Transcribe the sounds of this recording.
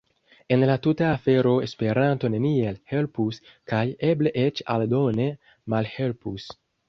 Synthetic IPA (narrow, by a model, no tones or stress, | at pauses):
enlat̪ut̪aːfeɾoespeɾant̪onenielhelpus | kajebleʔet͡ʃa̰ld̪one | malhelpus